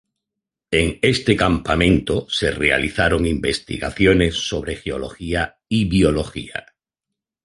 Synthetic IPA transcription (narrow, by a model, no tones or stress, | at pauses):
eŋest̪ekampamẽ̞nt̪ose̞rea̰liθaɾo̞ŋimbest̪ḭɣa̰θjone̞sːo̞β̞ɾexeo̞lo̞̰xia | iβjolo̞xḭa̰